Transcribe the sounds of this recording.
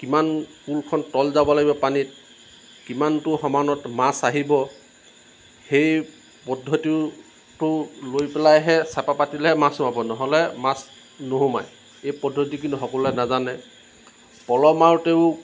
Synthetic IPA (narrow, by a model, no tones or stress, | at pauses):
kimankulkʰɔntɔlzabɔlaɡibɔpanit | kimantʊxɔmanɔtmasaɦibɔ | hej | pɔdʱːɔti | tʊlojpɛlajɦɛsapapatilɛɦɛmasʊmabɔnɔɦɔlɛmas | noɦomaj | ejpɔdʱːotikintuɦɔkɔlɛnazanɛ | pɔlɔmaɹteʊ